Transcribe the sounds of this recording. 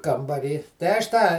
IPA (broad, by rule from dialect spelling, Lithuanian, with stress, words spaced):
kɐmbɐˈrʲiː tɐɪ ɐʃ ˈtɑː